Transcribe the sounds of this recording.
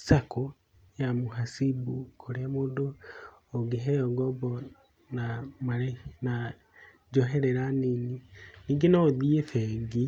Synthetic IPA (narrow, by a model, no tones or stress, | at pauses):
sako | jamoɦasibukʰoɾeamoːndoː | ɡeɦɛjɔɡɔbɔ | namaɾena | d͡ʒɔɦɛɾɛɾanininiːŋɡenaoðiefɛːɡi